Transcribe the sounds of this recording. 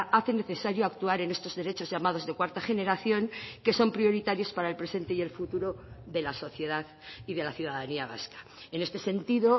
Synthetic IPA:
aθe̞ne̞θe̞saɾjoakt̪uaɾe̞ne̞st̪o̞zðe̞ɾe̞t͡ʃo̞zʝamaðo̞zðe̞kwaɾt̪aχe̞ne̞ɾaθjo̞ŋke̞so̞mpɾio̞ɾit̪aɾjo̞spaɾaelpɾe̞se̞nt̪e̞ie̞lfut̪uɾo̞ðe̞laso̞θje̞ðaðiðe̞laθjuðaðaniaβ̞a̰skḁ | e̞ne̞st̪e̞se̞nt̪iðo̞

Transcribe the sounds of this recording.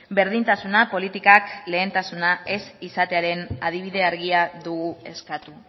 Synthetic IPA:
be̞ɾðint̪asunapo̞lit̪ikakle̞ːnt̪asunae̞sisat̪e̞aɾe̞na̰ð̞iβ̞iðe̞aɾɣiaðuɣue̞skat̪u

